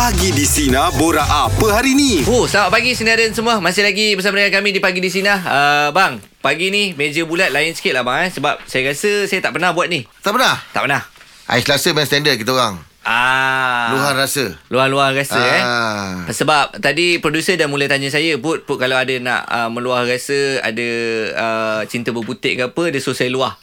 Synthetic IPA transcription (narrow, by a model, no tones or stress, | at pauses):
aɡidisinaboɾaʔapəɦaɾinĩohsamaʔ̚paɡisəndiaɾansəmũamasɪlaɡibəs̬amadəŋankamĩdipaɡidis̬inahəbaŋ | paɡinimed͡ʒəbulat̪̚laɪnsə̥i̥kɪt̪̚labaŋɛsəbap̚sajaɾasəsajat̪aʔpənahbuat̪̚niht̪aʔpənaht̪a̰ʔpənah | ʔa̰islasəmɛst̪ɛndət̪̚kit̪aoɣaŋ | ʔa | luɦanrasəluahluahrasəɛ | səbap̚t̪adipɾodusədanmulajt̪aɲas̬ajəbʊt̪̚pʊt̚kalaadənã̰ʔəmə̃luahrasəa̰dəət͡ʃint̪əbəput̪ɪʔkəapədəsosajəluah